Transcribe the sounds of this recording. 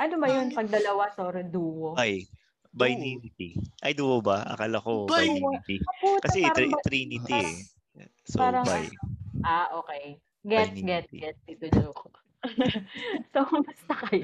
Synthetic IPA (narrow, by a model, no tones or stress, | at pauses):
ʔɐnobɐjonpɐɡ̚d̪ɐlɐwasoːɾɛd̪uːʔobaj | bajniːnɪt̪iʔɐjd̪uɐbɐʔɐ̰kɐlɐkot̪iɐut̪kɐssɛɾmɐt̪ɾiːnɪt̪i | sopaːɾɐŋba̰jʔaʔoːkɛj | ɡɛjt̪ɡɛt̪̚ɡɛt̪̚d̪it̪ʊd͡ʒok | sobɐst̪ɐkɐjo